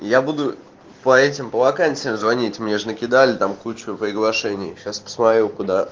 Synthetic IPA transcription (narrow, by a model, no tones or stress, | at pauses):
jabud̪ʊ | pɐɛtʲɪmpəvɐkanʲsʲɨjɪmzvɐnʲitʲmnʲeʐɨnəkʲɪd̪alʲɪt̪amkut͡ɕʊpɾʲɪɡlˠɐʂɛnʲɪjɕaspə̥smɐt̪ɾʲukʊd̪a